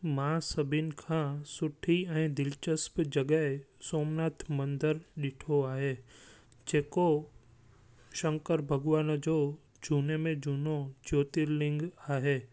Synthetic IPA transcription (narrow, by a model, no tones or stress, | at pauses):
mãːsɐbʱɪnkʰãːsʊʈʰiɛ̃ːd̪ɪlt͡ʃəspd͡ʑɐɡəɦe | soːmnaːt̪ʰmɐ̃nd̪əɾɗɪʈʰoaːɦeː | d͡ʑeːko | ʃɐ̃ŋkəɾbʱɐɡʋaːnd͡ʑoː | d͡ʑʱuːnemẽd͡ʑʱuːnod͡ʑoːt̪iɾlɪ̃ŋɡaːɦeː